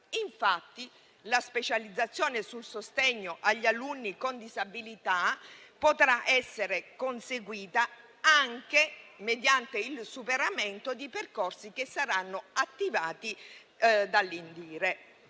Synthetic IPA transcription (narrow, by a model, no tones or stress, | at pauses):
iɱfat̪ːi | laspet͡ʃalid̪zːat̪sːjɔːnesulsost̪eɲːoʔaʎːalunːikond̪izabilit̪apot̪ɾaʔɛsːeɾekonseɡwiːt̪a | aŋkemed̪jant̪eilsupeɾament̪od̪iperkorsik̟esːaɾanːoat̪ːivaːt̪i | d̪alːind̪iːɾe